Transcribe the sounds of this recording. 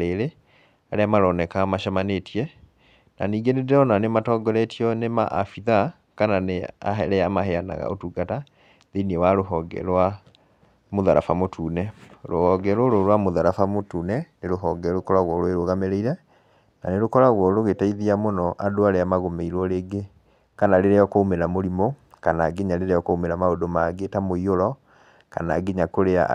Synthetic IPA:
eɾe | aɾeamaɾɔnɛkamaʃamanetiɛ | na̰niːɡenedeɔnanematɔːɡɔɾɛtiɔnema̰ʔa̰fiða | kananea̰ɦɛɾɛamaheana̰ɣa̰o̰tuːɡata | ðeniewaɾoɦɔɡɛ̰ɾwa | moðaɾa̰famotʰuːnɛɾohɔɡɛɾoɾoɾwamoðaɾafamotuːnɛneɾoɦɔɡɛɾokɔɾaɣwɔɾoeɾoɣameɾeiɾɛ | na̰neɾokɔɾaɣwɔɾoɣetaiðiamonɔʔadoaɾeamaɣomeiɾwɔɾeːɡe | kanaɾeɾeɔkoumeɾamoɾimokanaɡeɲaleɾeɔkoumeɾamaodomaɡetamoioɾɔ | ka̰naɡeɲakoɾea̰

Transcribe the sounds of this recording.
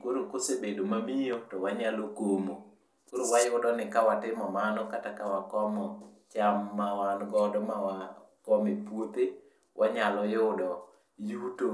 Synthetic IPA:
koɾokosebedomamijotɔwaɲalokomo | koɾowajʊdɔnɪkawatɪmɔmanɔkatakawakɔmɔt͡ʃamːawanɡɔdɔmawakɔmepwot̪e | wʔaɲalɔjʊdɔ | juto

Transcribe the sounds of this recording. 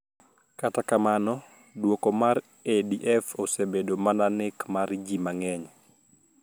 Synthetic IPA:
katakamanɔ | dwokɔmaɾ | ediʔɛfosebedomananɪkmaɾd͡ʒimaŋɛɲ

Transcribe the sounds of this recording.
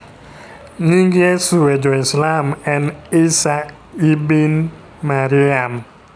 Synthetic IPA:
ɲiŋɡesuwed͡ʒɔɪslamɛnisa | ibin | maɾiam

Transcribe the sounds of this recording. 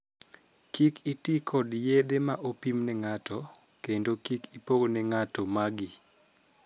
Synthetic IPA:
kikitikʰɔdjedemaʔopimnɛŋatɔ | kendokikipoɡonɛŋatɔmaɡi

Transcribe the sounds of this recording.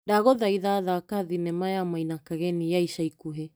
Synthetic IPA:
daɡoðajðaðakaðinemaeamajnakaɡeniajsajkuɦe

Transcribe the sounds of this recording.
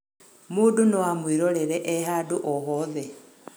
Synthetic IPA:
muːdunowamwiɾoleɾeʔeɦaduʔoɦoðe

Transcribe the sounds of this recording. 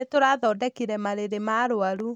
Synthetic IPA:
etoɾaðɔːdɛkiɾɛmaɾeɾemaɾoaɾu

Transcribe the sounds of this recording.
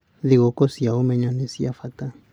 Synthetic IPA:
ðiɣɔkɔsiaɔmɛɲanɛsiafata

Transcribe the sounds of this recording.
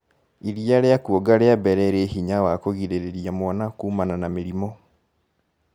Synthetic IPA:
iɾijaɾeakuoɡaɾeabɛɾɛɾehiɲawakoɣiɾeɾeɾiamwɔnakuːmananameɾimɔ

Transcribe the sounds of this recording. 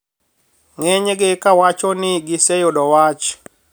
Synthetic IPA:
ŋɛɲɡɪkawat͡ʃɔnɪɡɪsejodɔwat͡ʃ

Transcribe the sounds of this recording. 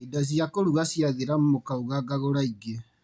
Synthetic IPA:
idaz̬iakoɾuɣasjaɣeɾamumokauɣaɡaɣoɾaiɡe

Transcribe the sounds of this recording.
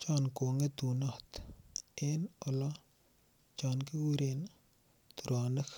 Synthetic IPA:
t͡ʃankoŋet̪unat̪enɔla | t͡ʃaːnkiuɾen | t̪uɾaːnɐk

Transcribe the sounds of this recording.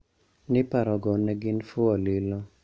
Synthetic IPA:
nɪpaɾɔɡɔneɡɪnfʊalilo

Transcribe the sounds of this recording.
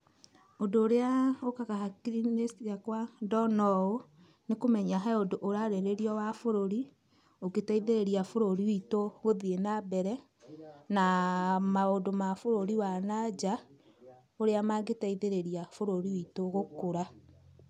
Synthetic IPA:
odoːɾeaokakaɦakiɾinesiakwadɔnɔo | nekomɛɲaɦaodoʔːɾaɾeɾeɾiɔwafoɾoɾi | oɡetaiðeɾeɾiafoɾoɾiwitoɣoðienabɛɾɛ | namaodomafoɾoɾiwanad͡ʒa | oɾeamaɡetaiðeɾeɾiafoɾoɾiwitoɣokoɾa

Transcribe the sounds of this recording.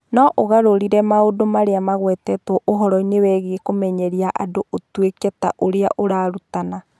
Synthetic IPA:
nɔʔoɣaɾoɾiɾɛmaodomaɾeamaɣwɛtɛtɔʔoɦɔɾɔinewɛɣeekomɛɲɛɾiaʔa̰doʔotwekɛta̰ʔoɾea̰ʔoɾaːɾutana

